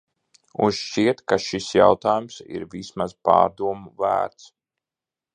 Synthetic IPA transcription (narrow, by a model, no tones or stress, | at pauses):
unʃʃt͡ʃiɛt̪kaʃisja̰wt̪aːjumsḭɾvismaz̥pa̰ːɾd̪uɔmuvæ̰ːɾt̪s